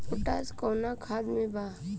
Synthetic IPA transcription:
pʊʈaːskoːnakʰaːd̪mẽbʱaː

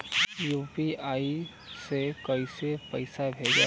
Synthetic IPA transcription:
juːpiaːi | sekɐisepəɪsabʱeɡa

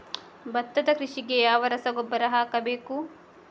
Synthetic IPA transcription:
bɐt̪ːɐd̪ɐkɾiʂiɡejaːʋɐɾɐsɐɡobːɐɾɐɦaːkɐbeːku

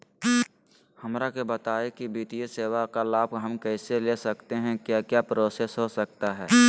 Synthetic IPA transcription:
hɐmɾakebət̪aːekibiːt̪ijəseːwakalaːb̚ʱɦəmkɛːselesəkt̪eɦɛ̃kjaːkjaːpɾoːsesɦosək̚t̪aɦɛː

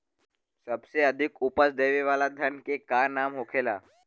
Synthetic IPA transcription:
səbseəd̪ʱikupəsd̪eːʋiʋalad̪ʱənkekaːɾnaːmɦokʰeːla̰

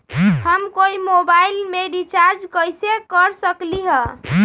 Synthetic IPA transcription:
həmkoimobailmeɖit͡ʃaɾd͡ʒkəjsekəɾsəkliɦə

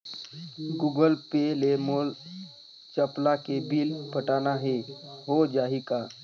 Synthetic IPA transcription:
ɡuɡəlpelemoːl | t͡ʃəplakebʱiːlpəʈaːnaɦeɦod͡ʒaːɦika

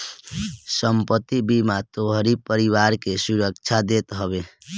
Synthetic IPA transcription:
səmpət̪ːibimat̪oɦɾipəɾiwaɾkesuɾəkt͡ʃʰad̪et̪ɦəbe

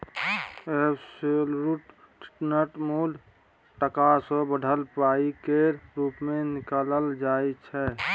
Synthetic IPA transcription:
eselɾuʈ | ʈʰi̥ʈnəʈmul | ʈəkasəbəɖʱəlpaikeɾuːpmenɪkaːləld͡ʒajt͡ʃʰɛ

